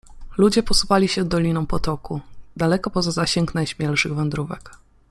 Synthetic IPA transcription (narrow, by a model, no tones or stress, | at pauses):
lud͡ʑɛpɔsupalʲiɕɛd̪ːɔlʲinɔ̃w̃pɔt̪ɔkud̪alɛkɔpɔzazaɕɛŋknajɕmʲjɛlʂɘɣvɛnd̪ɾuvɛ̰k